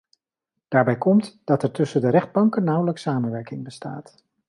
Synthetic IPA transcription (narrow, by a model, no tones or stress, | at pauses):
d̥aːɹbɛjkɔmtd̥ɑtɛɹtɵsəndəɾɛχd̚bɑŋkənːʌwləksaːmənʋɛɹkɪŋbəsta̰ːt